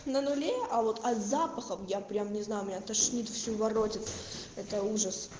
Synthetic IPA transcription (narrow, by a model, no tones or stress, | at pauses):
nənʊlʲeɐvo̞t̪ɐzapəxəmjapɾʲamnʲɪznajʊmʲɪnʲat̪ɐʂnʲit̪fsʲuvɐrotʲɪt̪ɛt̪əuʐəs